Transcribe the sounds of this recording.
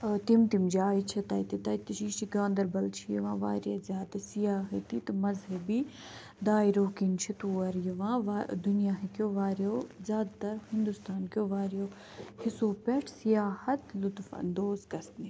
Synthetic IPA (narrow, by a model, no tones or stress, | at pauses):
t̪imt̪imd͡ʒaːit͡ʃʰɐt̪ɐjt̪it̪ɐjt̪iʃiːʃiɡãːnd̪ɐɾbɐlt͡ʃʰijḭʋãːʋa̰ːɾjazjaːt̪ɐsijaːɦɐt̪it̪ɨmɐzɦɐbiː | d̪aːiɾoːkint͡ʃʰit̪uːɐɾjiʋãːʋd̪unijaːɦikjoːʋaːɾjoːzʲjaːd̪t̪ɐɾhind̪ust̪aːnkjoːʋaːɾjoː | hɪsoːpɛʈʰsijaːhɐt̪lʊt̪fɐ̰nd̪oːzɡɐsni